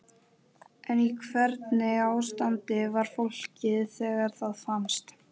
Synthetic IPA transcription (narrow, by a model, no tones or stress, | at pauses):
ɛnikʰvɛɾt̪nɪaːwst̪ant̪ɪvaɾ̥fol̥cɪðθɛːɣaɾ̥θaðfamst̪